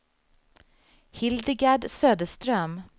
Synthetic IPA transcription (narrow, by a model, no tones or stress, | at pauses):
hɪld̪ɪɡaɖsøːd̪əʂt̪ɾœm